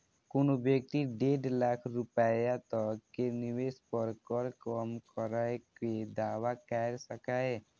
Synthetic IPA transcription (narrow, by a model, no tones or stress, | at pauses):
konobjək̚t̪iɖeːɖlakʰɾʊpəjat̪əkːenɪweːspəɾkəɾkɔmkəɾaeked̪aːwakɛɾsəkaːe